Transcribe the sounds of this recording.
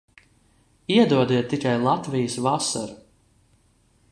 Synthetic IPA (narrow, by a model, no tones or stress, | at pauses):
iɛd̪uɔd̪iɛt̪ːikajlˠat̪vʲijəsvasa̰ɾu